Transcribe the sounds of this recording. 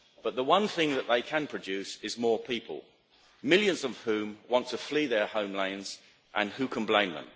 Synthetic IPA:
b̥ʌʔ̪̚ðəwʌ̃nθɪ̃ŋðəʔðeɪkʰə̃npʰɹ̥əd͡ʒʉˑsɪzmɔːpʰiˑpʰə̰lˠ | mɪlˠjə̃nzʌv̥hʉ̃mwɒ̃ntʰəfliːðə˞hə̃ʊ̃mlẽɪ̃nz̥ | ʔə̃nhʉkʰə̃nblẽɪ̃mðə̰̃m

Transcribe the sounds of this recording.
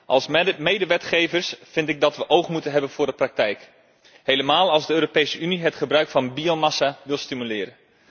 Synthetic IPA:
ʔɑlˠsmejdəʋɛtχejvəɹsfɪntɪɡ̚dɑtʋəʔowχmutənɦɛbənv̥ʊːɹdəprɑk̚tɛjk | hejləmaːlˠɑlˠzdəøːɾopejsəʔyniɦətχəbrœɥkfɑnbiomasaʋɪlˠstimylɪːɾən

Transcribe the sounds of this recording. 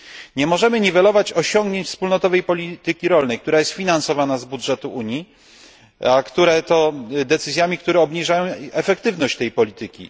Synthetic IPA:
ɲɛmɔʐɛmɘɲivɛlɔvat͡ɕɔɕɔŋɡɲeɲt͡ɕfspulnɔt̪ɔvɛjpɔlʲit̪ɘkʲiɾɔlnɛjk̚t̪uɾajɛst̪fʲinansɔvanazbudʐɛt̪uʔuɲi | akt̪uɾɛt̪ɔd̪ɛt̪sɘzʲjamʲikt̪uɾɛɔbɲiʐajɔ̃w̃ɛfɛkt̪ɘvnɔɕt͡ɕt̪ɛjpɔlʲit̪ɘkʲḭ

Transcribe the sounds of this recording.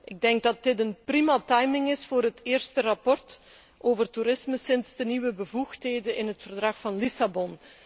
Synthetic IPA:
ʔɪɡ̚dɛŋɡ̚dɑt̚dɪtənprimatɑjmɪŋɪsfʊːɾɦətʰɪːrstərɑpɔrt | ʔoːvərtuɾɪsməsɪnsdəniwəbəvuxtɦeːdəɪnɦətfərdrɑxfɑnlisabɔn

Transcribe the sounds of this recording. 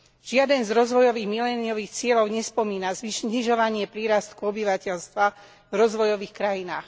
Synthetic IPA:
ʒ̥ɪad̪ɛnzɾɔzʋɔjɔʋiːɣmilɛːniɔʋiːxt͡sɪɛʎɔʊɲɛspɔmiːnazʋiɲiʒɔʋaɲɪɛpɾiːɾast̪kuɔbiʋacɛʎst̪ʋa | vɾɔzʋɔjɔʋiːxkɾajinaːx

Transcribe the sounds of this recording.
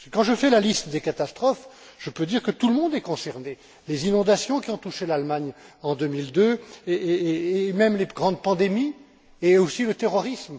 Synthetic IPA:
sɛ̥kɑ̃ʒəfɛlalist̪d̪ekat̪ast̪χɔf | ʒ̥əpød̪iʁkət̪uləmɔ̃d̪ɛkɔ̃sɛʁne | lezinɔ̃d̪asjɔ̃kʲiɔ̃t̪uʃelalmaɲɑ̃d̪ømild̪ø | mɛmleɡʁɑ̃d̪pɑ̃d̪emi | eosilət̪eʁɔʁism

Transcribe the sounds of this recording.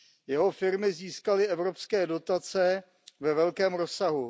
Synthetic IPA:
jɛɦo̞fɪɾmɪziːskalɪʔɛvɾo̞pskɛːdo̞t̪at͡sɛ | vɛvɛlkɛːmɾo̞saɦu

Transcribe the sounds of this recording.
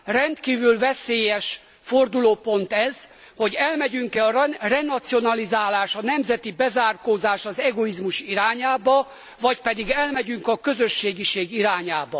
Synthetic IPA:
rɛnt̪kiːvylvɛseːjɛʃ | fo̞rd̪uloːpo̞nt̪ɛz | ho̞ɟɛlmɛɟyŋkɛɒrrɛnɒt̪sio̞nɒlizaːlaːʃɒn̪ɛmzɛt̪ibɛzaːrkoːzaːʃɒzɛɡo̞izmuʃiɾaːɲaːbɒ | vɒcpɛd̪iɡɛlmɛɟyŋkɒkøzøʃːeːɡiʃeːɡiɾaːɲaːbɒ

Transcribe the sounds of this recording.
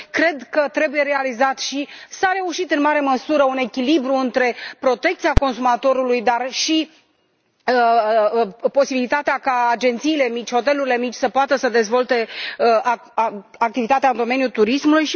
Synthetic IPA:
kɾe̞d̪kət̪ɾe̞buje̞ɾe̞alizat̪ʃisaɾe̞uʃit̪ɨnmaɾe̞məsuɾəune̞kʲilibɾuɨnt̪ɾe̞pɾo̞t̪e̞k̚t̪siako̞nsumat̪o̞ɾulujd̪arʃi | ə | po̞sibilit̪at̪eakaad͡ʒe̞nt̪siːle̞mit͡ʃʲho̞t̪e̞luɾile̞mit͡ʃʲsəpoat̪əsəd̪e̞zvo̞lt̪e̞ə | ak̚t̪ivit̪at̪eaɨnd̪o̞me̞nʲjut̪uɾismulujʃi

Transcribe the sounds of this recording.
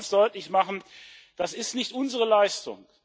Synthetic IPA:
nsd̥ɔʏtlɪçmaχn̩d̥asɪstnɪçtʔʊnzəʁ̞əlaɪstʊ̰ŋ

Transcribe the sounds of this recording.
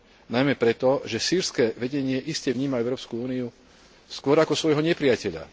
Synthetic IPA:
najmɛpɾɛt̪ɔʒɛsiːɾskɛːʋɛɟɛɲɪɛʔiscɛʋɲiːmaɛʊɾɔːpskuuːniu | skʊɔɾakɔsʋɔjɦɔɲɛpɾɪjacɛʎa̰

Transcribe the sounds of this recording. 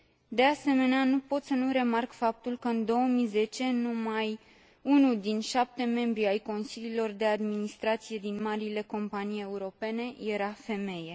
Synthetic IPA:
d̪e̞ase̞me̞neanupo̞t̪sənuɾe̞markfap̚t̪ulkəɨnd̪o̞wəmize̞t͡ʃe̞numaj | unuld̪inʃap̚t̪e̞me̞mbɾiajko̞nsililo̞rd̪e̞ad̪minist̪ɾat̪sije̞d̪inmaɾile̞ko̞mpanije̞uɾo̞pe̞ne̞je̞ɾafe̞me̞je̞

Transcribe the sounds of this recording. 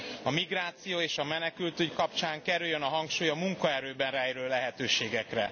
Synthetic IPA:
ɒmiɡraːt̪sijoːeːʃɒmɛnɛkylt̪yckɒpt͡ʃaːŋkɛɾyljːønɒɦɒŋkʃuːjɒmuŋkɒɛɾøːbɛnraːeɾøllɛɦɛt̪øːʃeːɡɛkrɛ̰

